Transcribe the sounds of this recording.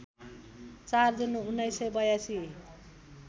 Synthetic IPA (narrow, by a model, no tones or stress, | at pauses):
t͡sard͡zinuunːʌjsʌjbʌjasi